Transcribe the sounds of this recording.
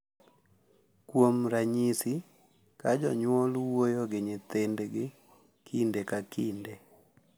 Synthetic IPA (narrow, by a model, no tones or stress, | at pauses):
kwomɾaɲisi | kad͡ʒɔɲwɔlwojoɡɪɲɪt̪endɡɪ | kʰindekakʰinde